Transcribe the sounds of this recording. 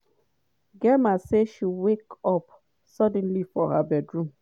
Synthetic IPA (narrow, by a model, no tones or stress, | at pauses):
ɡɛmaseʃiwekɔp | sɔdɛ̃n̩lifɔɦabɛdɹũm